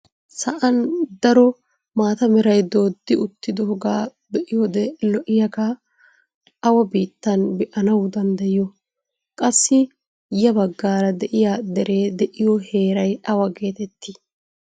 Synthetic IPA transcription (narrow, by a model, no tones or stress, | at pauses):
sɐʔɐnd̪ɐɾɔ | maːt̪ɐmɛɾɐjd̪o̞ːd̪ːɪʊt̪ːɪd̪ɔhɔɡaː | bɛʔɪjod̪ɛlɔʔɪjɐɡa | ɐwɐbiːt̪ːɐnbɛʔɐnɐwd̪ɐnd̪ɐjɪjɔ | kʼɐsːɪ | jɐbɐɡːaːɾɐd̪ɛʔɪjaːd̪ɛɾe̞ːd̪ɛʔɪjɔhe̞ːɾɐjɐwɐke̞ːt̪ɛt̪ʰːi